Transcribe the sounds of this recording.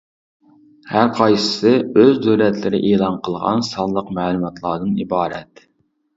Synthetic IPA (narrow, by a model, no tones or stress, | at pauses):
hæɾqʰɑjsɨ̥sɨøzd̪øwlɛt̪lɪɾɪ̰ʔeːlˠɑnqʰəlˠʁɑ̰nsɑnlˠəqmæːlˠumɑt̪ʰlˠɑːd̪ɨnibɑːɾɛ̰t̪